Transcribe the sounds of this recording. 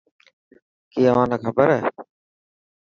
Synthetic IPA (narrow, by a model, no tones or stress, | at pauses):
kiːəʋãːnəːkʰəbəɾɦɛː